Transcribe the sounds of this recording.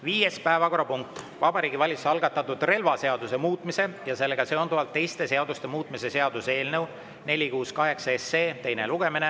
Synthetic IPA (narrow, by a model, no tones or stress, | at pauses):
viːjespæevɑko̞ɾɑpuŋk̚t̪ | vɑbɑɾiːɡivɑlʲit̪sɑlɡ̥ɑt̪ːˑɑt̪ːˑud̪̥re̞lvɑse̞ɑd̪use̞muːt̪ˑmise̞jɑse̞lːeɡ̥ɑseond̪uvɑlt̪ːe̞jst̪e̞seɑd̪ust̪e̞muːt̪ˑmise̞se̞ɑd̪̥use̞ːlnɤw | ne̞lʲikuːskɑɦe̞ksɑeseːt̪e̞jne̞̰luɡ̥e̞mine